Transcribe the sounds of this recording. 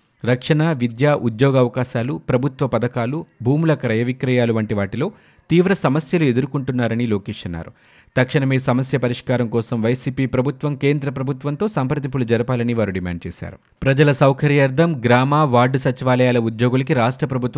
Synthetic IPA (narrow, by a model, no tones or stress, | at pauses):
ɾɐkʂɐɳaʋid̪jaːʔud̪joːɡɐʋɐkaːʃaːlupɾɐbʱut̪ʋɐpɐd̪ɐkaːlubʱuːmulɐkɐɾɐjɐʋikɾɐjaːluʋɐɳʈiʋaːʈilo̞ː | t̪iːʋɾɐsɐmɐsjɐlued̪uɾukuɳʈunːaːɾɐniloːkeːʂɐnːa̰ːɾu | t̪ɐkʂɐɳɐmesɐmɐsjɐpɐɾiʂkaːɾɐmkɔːsɐmʋɐjsiːpiːpɾɐbʱut̪ʋɐmke̞ːnd̪ɾɐpɾɐbʱut̪ʋɐnt̪oːsaːmpɾɐt̪ipulud͡ʒɐɾɐpaːlɐniʋaːɾuɖima̰ːɳɖ̚t͡ʃɛːʃa̰ːɾu | pɾɐd͡ʒɐlɐsɐwkʰɐɾjaːɾd̪ʱɐmɡɾaːmaːʋaːɾɖusɐt͡ʃiʋaːlɐjaːlɐud̪joːɡulɐkiɾaːʂʈɾɐpɾɐbʱut̪